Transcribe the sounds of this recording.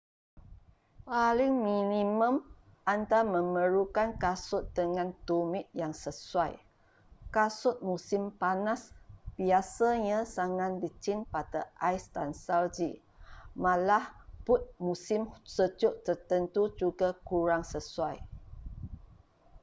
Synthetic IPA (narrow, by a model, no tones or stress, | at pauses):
paliŋminĩmə̃m | ʔant̪amə̃məɾukankasʊt̪̚d̪əŋãnt̪umɪt̪̚jaŋsəsuaj | kasʊt̪̚musɪmpanasb̥iasaɲãsaŋan̚dit͡ʃinpat̪əʔajst̪ansald͡ʒi | mãlahpʊt̪̚musɪmsəd͡ʒʊʔt̪ərt̪ənt̪ud͡ʒuɡakuɾaŋsəsuaj